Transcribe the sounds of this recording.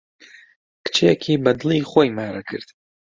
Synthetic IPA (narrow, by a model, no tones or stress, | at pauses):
kʰt͡ʃʰejakʲʰibadliːχʷajmaːɾakʰɨ̰rtʼ